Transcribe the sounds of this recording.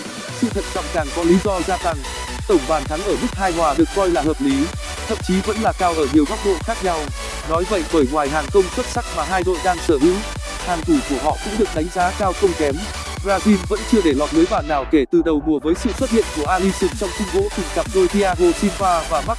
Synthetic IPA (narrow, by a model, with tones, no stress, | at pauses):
sɨ̰˧˨t̪ʰə̰˧˨˩t̚t͡ɕɔ̰˧˨wŋ͡mt͡ɕaː˨˩ŋkɔ˨˦li˨˦zɔ˧zaː˧za˨˩ŋ | t̪ə˧˩wŋ͡mɓaː˨˩nt̪ʰa˨˦ŋʔəː˧˩mɨ˦˥k̚haː˧jŋwaː˨˩ɗɨ˨˩ək̚ːɔ˧jlaː˨˩həː˨˩p̚li˨˦ | t̪ʰə̰˧˨mt͡ɕi˨˦və̰˧˥nlaː˨˩kaː˧wʔəː˧˩ɲi˨˩əwɓa˦˥wk͡p̚ɗo̰˧˨nxaː˦˥k̚ɲa˧w | nɔ˨˦jvə̰˧˨jɓəː˧˩jŋwaː˨˩jɦaː˨˩ŋkə˧wŋ͡mswə˦˥t̚sa˦˥k̚maː˨˩ɦaː˧jɗo̰˧˨jɗaː˧ŋsəː˧˩ʔɨ˧˨˦ŋ | haː˨˩ŋt̪u˧˩ku˧˩əɦɔ̰˧˨kʊ̰˧˥ŋ͡mɗɨ˨˩ək̚ɗa˨˦jŋ̟zaː˨˦kaː˧wxə˧wŋ͡mkɛ˨˦m | ɣaː˧zi˧mvə̰˧˥nt͡ɕɨ˧əɗe˧˩lɔ˨˩t̚lɨ˨˦jɓaː˨˩nːaː˨˩wke˧˩t̪ɨ˨˩ɗə˨˩wmu˨˩əvəː˨˦jsɨ̰˧˨swə˦˥t̚hḭ˧˨ənku˧˩əʔaː˧li˧sɨ˨˩ŋt͡ɕɔ˧wŋ͡mkʊ˧ŋ͡mɣo̰˧˥t̪ï˨˩ŋkaː˨˩p̚zo˧jt̪i˧ʔaː˧ɣo˧si˧mvaː˧vaː˨˩ma˦˥k̚